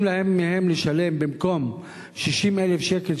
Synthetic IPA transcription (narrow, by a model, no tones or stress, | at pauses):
lahemːehemleʃale̞mbimko̞m | ʃiʃimelefʃekel